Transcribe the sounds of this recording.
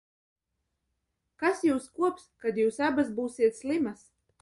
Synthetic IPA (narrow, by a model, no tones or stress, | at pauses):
kasjuːskuɔpskad̪juːsabas̬buːsiɛt̪sʲlimas